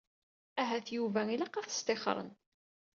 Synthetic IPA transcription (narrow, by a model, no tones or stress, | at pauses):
æɦæθjuvæilɑqɑθə̥st̪eχɾˤə̰n